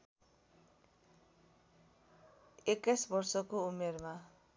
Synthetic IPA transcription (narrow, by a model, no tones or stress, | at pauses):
ekajsbʌrsʌkoumerma